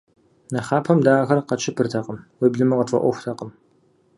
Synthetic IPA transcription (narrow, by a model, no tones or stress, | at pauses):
nɐχaːpʰɐmdaːɣɐrqɐt͡ʃʰʼɪpʰɨrtʰɐqəmweːbɮɨmɨqətʼɐ̰ʔʷɔxʷtʰɐqəm